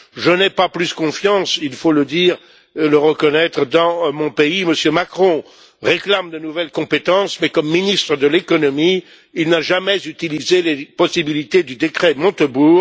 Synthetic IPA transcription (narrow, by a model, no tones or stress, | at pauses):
ʒənɛpaplyskɔ̃fjɑ̃silfoləd̪iːʁ | eləʁəkɔnɛt̪χəd̪ɑ̃mɔ̃peiməsjømakχɔ̃ | ʁeklamd̪ənuvɛlkɔ̃pet̪ɑ̃smɛkɔmːinist̪χəd̪əlekɔnɔmiː | lnaʒamɛzyt̪ilizelepɔsibilit̪ed̪yd̪ekχɛmɔ̃t̪əbuːʁ